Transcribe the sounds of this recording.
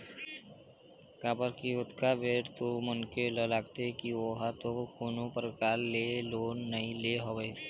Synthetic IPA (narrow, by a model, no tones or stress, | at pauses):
kaːbəɾkiʊt̪kabeːʈt̪omʊnkeləlaːɡt̪ekioɦat̪okonõpəɾkaːlːeloːnːəĩleɦoʋeː